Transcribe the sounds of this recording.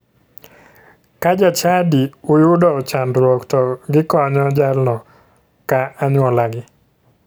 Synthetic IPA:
kad͡ʒat͡ʃadiʊjʊdɔt͡ʃandɾwɔktɔɡɪkɔɲɔd͡ʒalnɔ | kaːɲwɔlaɡɪ

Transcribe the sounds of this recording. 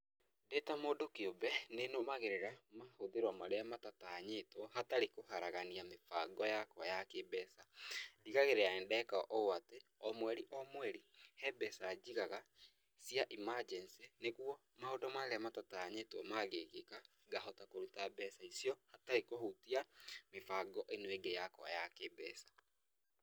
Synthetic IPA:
detamoːdokeobɛnenomaɣeɾeɾamahoðeɾwamaɾeamatataːɲetwɔhataɾekohaɾaɣaniamefaɡɔjakwajakebɛsadiɣaɣeɾeaɛndɛkaɔʔɔoateɔmwɛɾiʔɔmwɛɾihɛbɛsad͡ʒiɣaɣa | siaʔimad͡ʒɛnsineɣwɔ | mahodɔmaɾeamatataːɲetwɔmaɣeɣeka | ɡaɦɔtakoɾutabɛsaisiɔhataɾekohotiamefaɡɔʔenoeɡejakwa̰jakebɛsḁ

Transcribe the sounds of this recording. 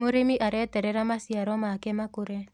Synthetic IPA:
moɾemiʔaɾɛtɛɾɛɾamasiaɾɔmakɛmakoɾɛ

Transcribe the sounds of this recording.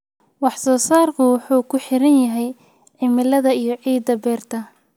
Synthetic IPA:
wɑħsɔːsaːrkʰʊwʊħuːkʰʊħɪɾɐnjɐɦɛj | ʕɪmɪlɐðɐijɞʕiːd̪ɐbɛːrt̪ʰɐ

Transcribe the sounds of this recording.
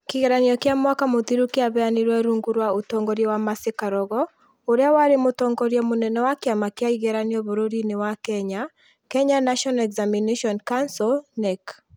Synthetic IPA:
kiɣɛɾaniɔkjamwakamoðiɾukeaβɛaniɾwɛɾuŋɡuɾwaotɔŋɡɔɾjɛwamasekaɾɔɣɔ | oɾeawaɾemotɔŋɡɔɾjɛmonɛnɛwakjamakjaiɣɛɾaniɔβoɾoɾinewakɛɲa | kɛɲanaʃɔnɛkzamineʃɔnkansɔlnɛk

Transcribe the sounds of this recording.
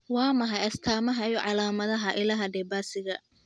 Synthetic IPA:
wɑːmɐɦɐjɐst̪ʰaːmɐɦɐjɔʕɑlaːmɐðɐɦɐʔɪlɐɦɐɖɛbaːsɪɣɐ

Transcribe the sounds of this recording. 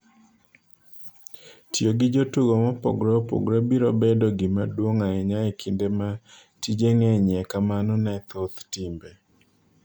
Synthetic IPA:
tjoɡɪd͡ʒotuɡɔmɔpɔ̰ɡɾɔpo̰ɡɾɔbiɾɔbɛdɔɡɪmadwoŋaɛɲaɛkʰindema | tid͡ʒeŋɛɲɛkamanɔnat̪ʰɔt̪timbe

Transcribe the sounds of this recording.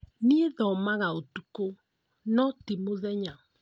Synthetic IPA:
nieðɔmaɣaotuko | nɔtimoðɛɲa

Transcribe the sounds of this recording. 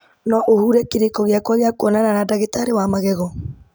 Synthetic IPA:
nɔʔohuɾɛkeɾekɔɣeakwɔɣeakwɔnananadaɣetaɾewamaɣɛɣɔ

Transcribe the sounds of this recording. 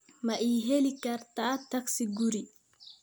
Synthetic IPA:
mɐʔiːɦɛlikɐrt̪ʰaːt̪ʰɐksɪɡuɾi

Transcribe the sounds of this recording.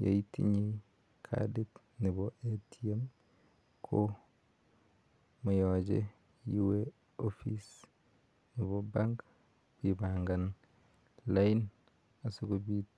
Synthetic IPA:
ja̰itḭɲi | kʰa̰dit | niboetʰiem | kʰo | mujɔd͡ʒḛ | juwe | ofis | nibobaŋɡ | b̥ibaŋɡan | lain | asuɡobit

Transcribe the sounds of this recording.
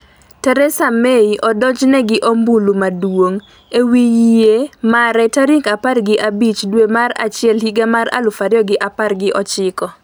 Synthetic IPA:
tɛɾɛsameiʔɔdɔd͡ʒnɛɡɪʔombulumadwoŋ | ewijemaɾɛtaɾikaparɡɪʔabit͡ʃdwemaɾa̰t͡ʃɪɛlɦiɡamaɾa̰lʊfaɾjɔɡɪʔaparɡɪʔɔt͡ʃɪkɔ

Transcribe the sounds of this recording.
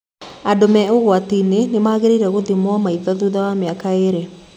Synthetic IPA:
adomɛoɣwatinenemaːɣeɾeiɾɛɣoðimwamaiðɔðuðawameakaeɾe

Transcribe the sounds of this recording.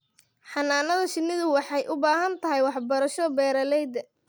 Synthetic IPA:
ħɑnaːnɐðɐʃɪnːɪðʊwɑħɑjʔʊbaːɦɐnt̪ʰɐɦɛjwɑħbɐɾɐʃɔbɛːɾɐlɛjd̪ɐ

